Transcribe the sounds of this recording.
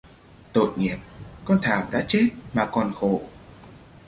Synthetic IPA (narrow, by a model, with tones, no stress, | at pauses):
t̪o̰˧˨jŋi˨˩əp̚kɔ˧nt̪ʰaː˨˩wɗa̰ː˧˥t͡ɕe˦˥t̚maː˨˩kɔ˨˩nxo˧˩˨